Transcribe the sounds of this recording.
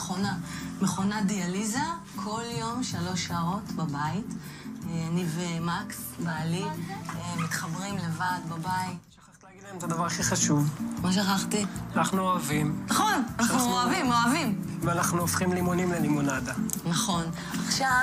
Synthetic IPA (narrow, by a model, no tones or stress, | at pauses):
χonameχo̞nadializakʰo̞ljo̞mʃalo̞ʃaːʁo̞tbabait | eanivemaksbali | mit̪χabʁimle̞vadbabaitʃḁχaχt̪ilaːɡid̪laemet̪ad̪avaʁaχiχaʃuvmaʃ̬aχaχt̪ianaχnuoavimnaχo̞nanauoavimoavim | veanaχnuofχimlimunimlelimunadanaχo̞n | aχʃa